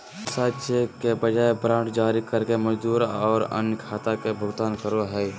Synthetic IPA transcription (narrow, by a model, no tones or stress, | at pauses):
saːʃekebəd͡ʒaːebɾãːɳʈd͡ʒaːɾikəɾkeməd͡ʒd̪uːɾɔːɾə̰njkʰaːt̪akebʱʊɡt̪aːnkəɾoɦɛː